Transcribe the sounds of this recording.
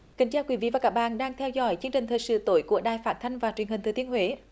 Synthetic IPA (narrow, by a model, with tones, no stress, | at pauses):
kï˨˩˦ŋ̟t͡ɕaː˧˩kwi˨˦vḭ˧˨vaː˨˩kaː˦˥k̚ɓa̰ː˧˨nɗaː˧ŋt̪ʰɛ˧wzɔ̰˧˦jt͡ɕɨ˧əŋt͡ɕï̟˨˩t̪ʰəː˨˩jsɨ̰˧˥t̪o˧˦jku˧˩əɗaː˨˩jfaː˦˥t̚t̪ʰa˧jŋ̟vaː˨˩t͡ɕwənhi̟˨˩t̪ɨː˨˩t̪i˧ənhwe˨˦